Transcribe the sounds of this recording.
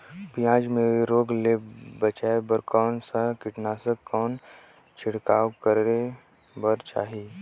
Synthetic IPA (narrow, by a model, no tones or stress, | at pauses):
pijãːd͡ʒmẽɾoːɡleːbət͡ʃaːebəɾkɔːnsakɪʈnaːsəkːɔːn | t͡ʃʰɪɽkaːkəɾɾe | bəɾt͡ʃa̰ːɦiː